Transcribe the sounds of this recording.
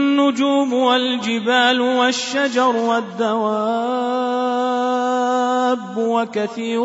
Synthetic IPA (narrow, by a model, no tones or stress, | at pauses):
nːʊd͡ʒuːmwald͡ʒɪbaːlwaʃːad͡ʒɑɾˤwad̪ːawaː | bːwakaθiːɾ